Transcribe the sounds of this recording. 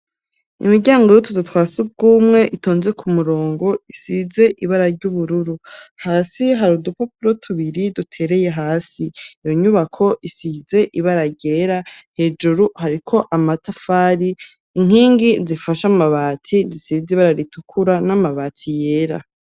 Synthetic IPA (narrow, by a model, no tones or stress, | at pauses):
ḭmiɾɟaːŋɡojutudutwaːsub̚ɡuːmŋe̞ʔitoːnze̞kʰumuɾo̞ːŋɡo̞isize̞ʔiβaɾaɾɟuβuɾuɾuhaːsiɦaɾudupapuɾo̞tʰuβiɾidutʰe̞ɾe̞je̞ɦaːsiːjo̞ɲuβakʰo̞ʔisize̞ʔiβaɾaɟe̞ɾahe̞d͡ʒuɾuhaɾikʰo̞ʔamatafaːɾiː | ŋ̥hiːŋɡizifaʃamaβaːtʰizisiziβaɾaɾitukʰuɾanamaβaːtʰije̞ːɾa̰